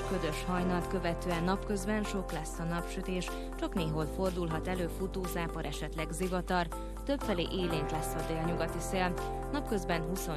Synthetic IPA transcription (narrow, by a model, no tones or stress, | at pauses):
kø̞zø̞ʃhɒjnɒlt̪kø̞vɛt̪øːɛnːɒpkø̞zbɛnʃo̞klɛsːɒnɒpʃyt̪eːʃ | t͡ʃɒkneːɦolfo̞rd̪ulɦɒt̪ɛløːfut̪oːzaːpɒɾʔɛʃɛt̪lɛɡzivɒt̪ɒr | t̪ø̞pfɛlḛːʔeːleːnt̪lɛsːɒd̪eːlɲuɡɒt̪iseːl | nɒpkø̞zbɛnɦuso